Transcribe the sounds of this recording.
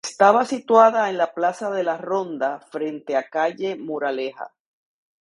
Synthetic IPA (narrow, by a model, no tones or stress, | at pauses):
est̪aβasit̪waðae̞nlaplasaðe̞laro̞nd̪afɾe̞nt̪e̞akaʝe̞muɾale̞ha̰